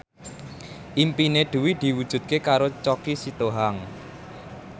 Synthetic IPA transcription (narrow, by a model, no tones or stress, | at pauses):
ʔimpineɖ̪̥ṳwid̪̥i̤wud̥ʒ̥ṳd̪̥̚kekaɾot͡ʃɔkisit̪oɦaŋ